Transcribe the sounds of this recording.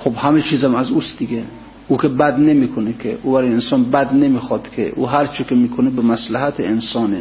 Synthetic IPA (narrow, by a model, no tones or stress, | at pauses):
xobhæmet͡ʃʰiːzæmæzusd̪iɡʲe | uːkʲʰebæd̪nemikʰonekʲʰeʔubæɾɔjensɒːnbæd̪nemiːxɒd̪kʰḛʔṵɦæɾt͡ʃʰikʲemiːkʰonebemæslaɦæt̪ʰeːnsɒːne